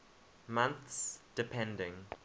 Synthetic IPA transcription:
mãnθsd̥ɪpʰɛ̃ndɪ̃ŋ

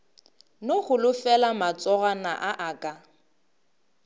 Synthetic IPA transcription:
noχʊlʊfɛlamat͡sʼɔɣanaʔaʔakʼa

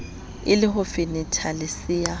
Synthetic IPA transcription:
ɪlɪɦʊfɪnɪtʰalɪsɪa

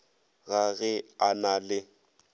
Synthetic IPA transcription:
ɣaɣɛanalɪ

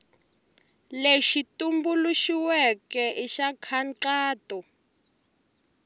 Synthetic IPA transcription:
leʃitumbuluʃiwɛkɛʔiʃakʰanǁaːtɔ

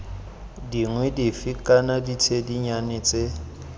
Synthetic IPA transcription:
diŋwɛdifikʼanadit͡sʰediɲanɪːt͡sʼe

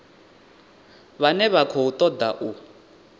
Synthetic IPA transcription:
βanɛβakʰɔut̪ʼɔd̪a̰ʔu

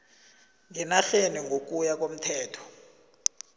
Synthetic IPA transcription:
ŋɛnaɬeniŋɡʱok̬ʼujak̬ʼom̩tʰɛːtʰɔ̥

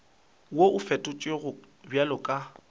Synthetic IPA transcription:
woʔʊfɛtʼʊt͡ʃʼeɣʊ | bjalɔkʼa

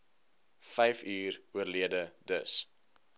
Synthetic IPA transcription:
fɛjfyːruərliədədəs

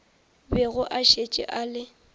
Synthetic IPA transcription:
bɛɣʊʔaʃet͡ʃʼɪ̰ʔaːlɪ

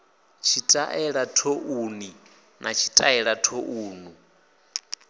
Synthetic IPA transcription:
t͡ʃʰitʼaʔɛɺatʰoʔuni | nʔat͡ʃʰitʼaɛɺatʰoʔuːnu

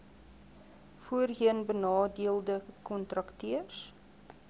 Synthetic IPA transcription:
fuərɦiənbənɑːdiəlˠdəkɔntrɐktiəs

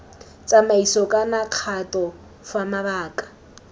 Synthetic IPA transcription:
t͡sʼamaisɔkʼanaq͡χʰatʼɔ | famaβaːkʼḁ

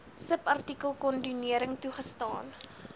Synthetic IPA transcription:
səpɐrtikəlˠkɔndyniəɾəŋtuχəstɑːn

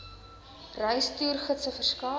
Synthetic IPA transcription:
rœjstyːrχətsəfərskɑː

